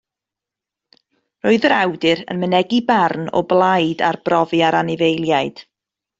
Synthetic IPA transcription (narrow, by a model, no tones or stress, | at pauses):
roɨðəɾawdɨɾə̰nmənɛɡibarnɔ̰blˠajdarbrɔvɨaɾanɪvejlˠjaɨd̥